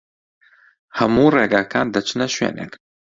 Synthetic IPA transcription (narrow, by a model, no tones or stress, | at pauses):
hɐmuːreːɡaːkʰaːnd̪ɐt͡ʃʰɨnɐʃwḛːnḛk